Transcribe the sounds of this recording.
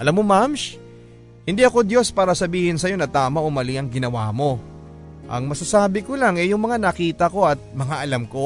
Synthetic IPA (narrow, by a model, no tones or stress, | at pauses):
ʔɐlamːomamʃ | hɪnd̪iʔɐko̞d̪jo̞spaːɾɐsɐbiːhɪnsɐjo̞nɐt̪aːmɐʔʊmɐliʔɐŋɡɪnɐwa̰mo̞ | ʔɐ̰ŋmɐsɐsaːbɪko̞laŋɛjʊŋmɐŋanɐkiːt̪ɐko̞ɐt̪̚mɐŋaʔɐlamko̞